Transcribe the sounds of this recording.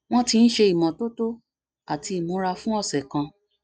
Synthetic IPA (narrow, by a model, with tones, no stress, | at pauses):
w̃ɔ̃˦tĩ˧n̩˦ʃe˧i˨mɔ̃˨to˦to˦ | a˨ti˧i˨mũ˨˦ɾa˧fũ˦ɔ˦˨sɛ˨kã˧